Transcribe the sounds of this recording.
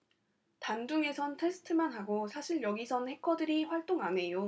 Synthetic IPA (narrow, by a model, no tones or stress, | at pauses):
tand͡ʑuŋe̞sʰʌntʰe̞sʰɯ̥tʰɯmanɦaɡosʰaɕʰiɭjʌɡisʰʌnhe̞kʰʌdɯɾiɸwaɭt͈oŋɦame̞jo